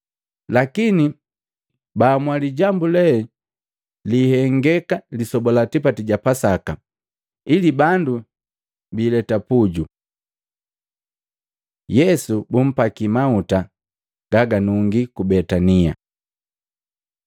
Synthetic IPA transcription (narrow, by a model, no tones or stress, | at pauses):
lakini | baːmwaliɟambulɛ | liːhɛŋɡɛkalisɔbɔlatipatiɟapasaka | ilibandu | biːlɛtapuɟu | jɛsubum̩pakimauta | ɡ̥aɡanuŋɡikubɛtania